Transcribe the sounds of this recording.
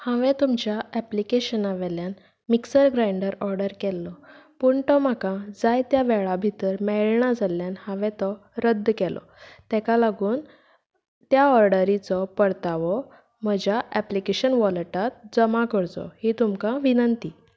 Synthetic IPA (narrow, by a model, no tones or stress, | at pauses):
hãʋɛ̃t̪umt͡ɕjaɛplikeɕənaʋɛljan | miksəɾɡɾaiɳɖəɾɔɾɖəɾkɛlːɔpuɳʈ̪ɔm̤akãd͡zajt̪jaʋɛɭabʱit̪əɾmɛɭɳad͡zaljanhãʋɛ̃t̪ɔɾəd̪ːkɛlʔɔ̰ | t̪ɛkalaɡuːn | t̪jaɔɾɖəɾit͡sɔpəɽt̪aʋɔ | m̤əd͡ʑjaʔɛplikeɕənʋɔləʈat̪̚d͡zəmakəɾt͡s̪ɔ̰hit̪umkãʋinənt̪iː